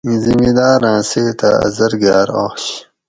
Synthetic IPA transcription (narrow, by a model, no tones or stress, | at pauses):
ĩzimiːd̪aːɾãːseːt̪a̰ɐ̰zɐɾɡaːɾo̰ːxɕ